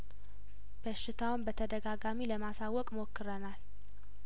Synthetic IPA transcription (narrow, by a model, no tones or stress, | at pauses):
b̥əʃːɪt̪ʰawnbət̪ʰəd̪əɡaɡamiləmasawːɔkʼmo̞kʰːɨɾənal